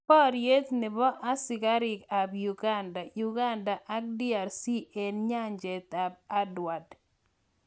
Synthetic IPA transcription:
pɔ˦ɾje˦t̪nɪ˨bɔ˦ʔa˦sɪ˨ka˦ɾɪ˨ka˨bju˨ɡa˦nda˨ju˨ɡa˦nda˨ʔa˦k̚di˦a˨ɾsi˦ʔe˨nɲa˦ɲd͡ʒe˨t̪a˨b̚a˦dwa˨d

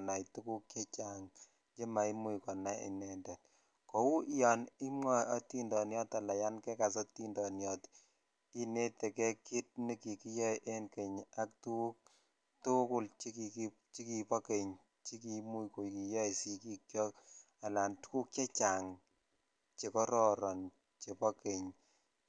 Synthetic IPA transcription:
na˨jtu˦ku˦k̚t͡ʃɛ˦t͡ʃa˨ŋ | t͡ʃe˦ma˨i˦mu˦jkɔ˨na˦jḭ˨nɛ˦ndɛ˨t̚ | kɔ˨wu˦jɔ˨ni˦mŋɔ˦ɔ˦ti˦ndɔ˨njɔ˦ta˨la˨ja˦nkɛ˦ka˨s̬ɔ˦ti˦ndɔ˨njɔ˨t | i˦ne˦tɛ˨kɛ˦ki˦t̚ni˦ki˨ki˦jɔ˦jʔe˦nke˨ɲa˦k̚tu˦k̚ | tʊ˦kʊ˦lt͡ʃi˦ki˨k | t͡ʃi˦ki˨pɔ˦ke˨ɲ | t͡ʃi˦ki˦mu˦ko˨ki˨jɔ˦i˨si˦ki˦kjɔ˦k | a˨la˨ntu̥˦ku˦k̚t͡ʃe˦t͡ʃa˨ŋ | t͡ʃe˨kɔ˦ɾɔ˨ɾɔ˨n | t͡ʃe˨pɔ˦ke˨ɲ

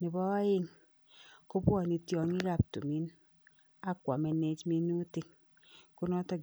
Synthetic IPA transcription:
ni˨bɔ˦ji˦ŋ | ko˦pwɔ˦˨ni˨tjɔ˨ŋi˦ɾa˦˨p̚tṵ˨mi˦n | a˦kʷa˨me˨ne˨˦d͡ʒmi˦nu˦ti˨ŋ | ku˦nɔ˦tɔ˦

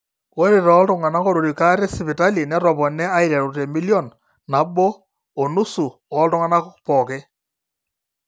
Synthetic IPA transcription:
wɔ˦ɾi˨ɾɔ˦ltʊ˦ŋa˨na˦kɔ˦ɾu˨ɾi˨ka˦ɾɛ˦si˨pɪ˨ta˦li˨nɛ˦ɾɔ˨pɔ˨nɛ˦a˦ɪɾɛ˨ɾu˨te˨mi˦ljɔ˦˨n | na˨bɔ˦ | ɔ˨nu˦su˨ɔ˦ltʊ˦ŋa˦na˦kpɔ˨kɛ˦

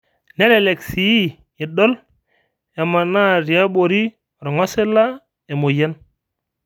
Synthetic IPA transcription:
ne˦le˨le˨ksi˨i˦ | i˨ɗɔ˦l | e˨ma˨na˦ɾi˨a˦bo˨ɾi˦˨ | ɾɔ˨ŋɔ˦se˦la˦ | e˨mo˨ja˦n

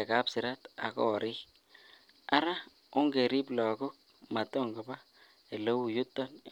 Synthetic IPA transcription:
a˨ka˦psi˨ɾa˦t̪a̰˨ko̰˦˨ɾi˦ | a˦ɾa˦ | ʊ˦ŋɡe˨ɾi˦blɔ˨ɡʊ˦k̚ | ma˨t̪o˦˨ŋɡa˨ba˦ | e˨lo˦wu˨ju˦t̪ːa˦n

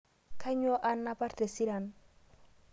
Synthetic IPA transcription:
kʰa˦ɲo˦ʔa˦nːa˦pa˦ɾte˨si˦ɾa˨n

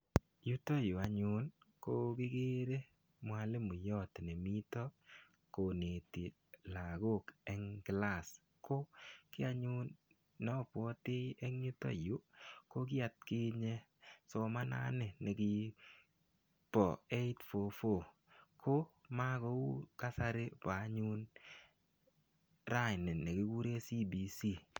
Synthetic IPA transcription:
ju˦to˦ju˨a˨ɲʊ˦nko˦ki˦ɡe˦ɾe˦ | mwa˨le˦mu˨jɔ˦tne˨mi˦tɔ˦ | ko˨ne˨ti˨ | la˨ɡo˦˨kɛ˦ŋɡla˦˨s | ko˦kɪ˦a˦ɲu˦nː | ɔ˦pɔ˦tɪ˦ɛ˦ŋɲu˦to̰˦ju˨˦ko˦k̬ɪ˦a˨t̚kɪ˦ɲe˦ | sɔ˨ma˦na̰˦nɪ˨ne˨kɪ˦ | pɔ˨e˦ɪ˦tfo˨fo˨ | kʰo˦ma˦ɡɔ˦u˦ka˦sa˦ɾɪ˦pa˨˦ɲu˦n | ɾa˦jnɪ˨ne˨kɪ˦ku˦ɾe˦si˦bi˨si˦˨

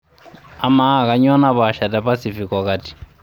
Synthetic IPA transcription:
a˨ma˦˨ka˨ɲɔ˦na˦βaʃa˨tapa˦sifi˨kɔ˨kati̥˨

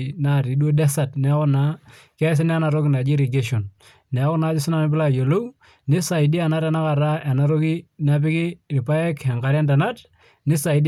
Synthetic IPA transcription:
na˨ɾi˨dwo˦dɛ˦sa˨tnɛ˨˦wɔ˦na˦ | kɛ˦s̬ɪ˦n˦a˦na˨ɾo˦ki˦na˨d͡ʒi˦ɾi˨ɡe˦ʃo˨n | nɛ˨˦wɔ˦na˨˦t͡ʃɪ˦sɪ˦na˦nɪ˦bɪ˦la˦˨jo˨lo˦w | nɪ˦sa˨i˨di˦a˨na˦ɾa˦na˦ka˨ɾa˦ɛ˨na˦ɾo˦ki˦na˦p̬ɪ˦kɪ˦rɪ˨pa˦ɛ˦kɛ˨ŋka˨˦ɾja˦nda˨na˦t | nɪ˦sa˨i˨d

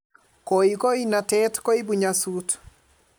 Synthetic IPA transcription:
kɔ˨iko˦ina˨tɛtkɔ˦i˦bu˨ɲasut

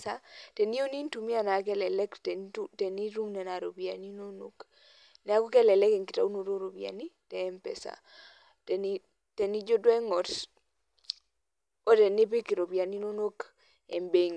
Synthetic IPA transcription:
sa˦te˨ni˦o˦ni˦ntu˨mi˦a˨na˨˦kɛ˦lɛ˨lɛ˦ktu˦tɛ˨ni˦ɾu˦ŋnɛ˨na˨ɾo˨bi˨a˨ni˦no˦no̰˨k | nɛ˨a˦ko˦kɛ˦lɛ˨lɛ˦kɛ˨ŋkɪ˨ta̰˨u˦no˨ɾo˦ɾo˨bia̰˨ni˦tɛː˨˦mpɛ̰˨sa̰˨ | tɛ˨ni˦ | te˨ni˦d͡ʒo˦dwɛ˦ŋɔ˨t | o˦tɛ˨nɪ˦p̬ɪ˦ki˨ɾo˨bi˨a˨ni˦no˦no˦k | ḛ˨mbe˨ŋ

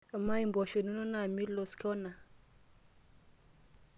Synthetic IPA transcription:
a˨ma˦i˨mbɔ˨ʃo˨nu˦no˦na˨mi˦lo˨skʰɔ˦na˨

